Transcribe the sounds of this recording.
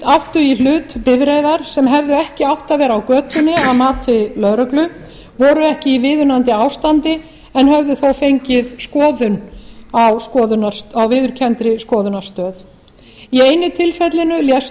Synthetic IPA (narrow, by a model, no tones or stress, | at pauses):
awht̪ʏil̥ʏːt̪pɪvɾejðaɾ̥sɛmɦɛvðʏɛhcɪawht̪avɛːɾaːwkœːt̪ʰʏnɪaðmaːt̪ʰɪlœɾœklʏ | vɔɾʏɛhcɪivɪːðʏnant̪ɪawst̪ant̪ɪ | ɛnhœvðʏθowfejɲcɪðskɔːðʏnawskɔːðʏnasawvɪːðʏɾ̥cʰɛnt̪ɾɪskɔːðʏnḁst̪œːð | iejnʏt̪ʰɪlfɛt̪lɪnʏljɛs